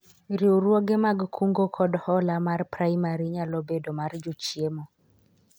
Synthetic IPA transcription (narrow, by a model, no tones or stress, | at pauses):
ɾiuɾwoɡemaɡkʰuŋɡokʰɔdhɔlamarpɾaimaɾiɲalɔbedɔmaɾd͡ʒut͡ʃiemɔ